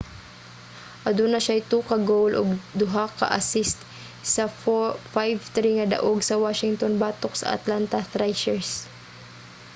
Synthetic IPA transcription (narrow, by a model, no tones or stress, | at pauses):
ʔɐd̪unɐʃajt̪uːkɐɡowlʔo̰ɡ̚d̪ʊɦakɐ̰ʔɐsɪst̪ | sɐfajvt̪ɾiŋɐd̪ɐ̰ʔoɡsɐwaːʃɪŋt̪onbaːt̪oksɐ̰ʔɐ̰t̪lant̪ɐθɾajʃɛɹs